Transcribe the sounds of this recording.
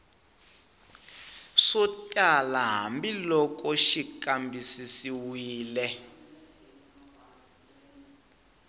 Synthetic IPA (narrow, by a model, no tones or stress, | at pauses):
sɔtʼalaɦa̰mbilɔkʼɔʃikʼambisisiwiːlɛ